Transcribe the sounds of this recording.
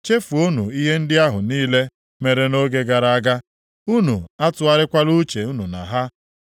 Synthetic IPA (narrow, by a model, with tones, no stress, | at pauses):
t͡ʃe˦fu˨o˦nu˨i˦ɦe˦n̩˦dɪ˦a˦ɦʊ˨niː˦le˦ | me˨ɾe˨no˦ɡe˦ɡa˨ɾa˨a˦ɡa˦ | u˦nu˨a˦tʊ˦a˦ɾɪ˦kʷa˦lu˦t͡ʃe˨u˦nu˨na̰˨ɦa˦